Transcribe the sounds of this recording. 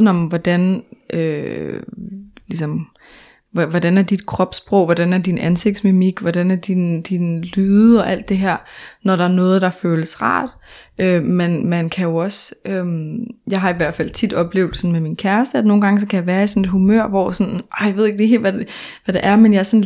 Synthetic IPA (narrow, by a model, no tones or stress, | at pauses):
nɒ̽mʋɒd̥ænø | lis̬ɒ̽m | ʋɒd̥ænæɐd̥id̥kʰʁɒ̽b̥sb̥ʁɔ̽ʊ̰ʋɒd̥ænæɐd̥inænse̝ɡ̥̚d̥smemiɡ̥ʋɒd̥ænæɐd̥ind̥inlyːð̩ˠɒ̽ʔæl̰d̥ːe̝ɦæɐ̰nɒɾ̥ɑ̈æɐnɔ̽ːð̞̩ˠd̥ɑ̈føːləsʁɑ̰̈ːd̥ | ømenmænkʰæjo̝ɒ̽sømjɑ̈ɪɦɑ̈iʋæɐd̥fæl̰t͡sʰid̥ɒ̽b̥le̝ːʊd̥̩ˠsɒ̽nmeminkʰæɐsd̥əæno̝ːn̩ɡ̥ɑ̈ŋəsɒ̽kʰæjɑ̈ʋæːɐisɔ̽ne̝dɦumø̰ɐ̰ʋɒ̰sɔ̽nʔɒjɑe̝ðˠeɡ̥̚d̥e̝he̝̰ːlʋæʋæɾ̥eʔæɐmenjɑ̈ɐsɒn